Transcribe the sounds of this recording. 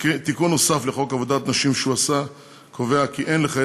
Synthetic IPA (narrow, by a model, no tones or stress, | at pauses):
kt̪ikunːosafleχo̞kavod̪at̪naʃimʃeuasa | kʰo̞veakiʔenleχa